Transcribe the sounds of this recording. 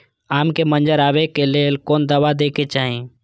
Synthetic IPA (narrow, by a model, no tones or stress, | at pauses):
aːmkemənd͡ʒəɾaːʋekeleːlkoːnd̪əʋad̪eːket͡ʃaːɦẽ